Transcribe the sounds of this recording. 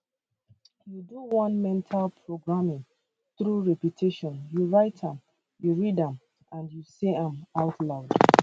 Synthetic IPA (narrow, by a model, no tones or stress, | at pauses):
juduwɔ̃nmɛ̃ntʰalpʰɹoɡɹamĩŋ | θɹuɹɛputʰiʃɔ̃njuɹaɪtʰãm | juɹidãm | ʔãndjuseãmaʊtʰlaʊd̥